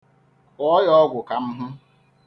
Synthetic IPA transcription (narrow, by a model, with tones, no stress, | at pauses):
ɔ˦jɔ˦ɡʷʊ˨ka˨m̩˦ɦʊ˦